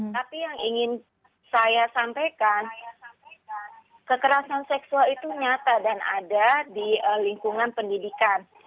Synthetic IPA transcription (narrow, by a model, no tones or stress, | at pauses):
t̪apijaŋiŋɪn | sajasampajkan | kəkəɾasansɛksualit̪uɲat̪adana̰dadiəliŋkuŋanpəndidikan